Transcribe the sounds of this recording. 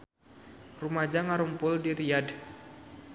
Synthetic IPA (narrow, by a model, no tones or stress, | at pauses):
rumad͡ʒaŋaɾumpʊldiɾijad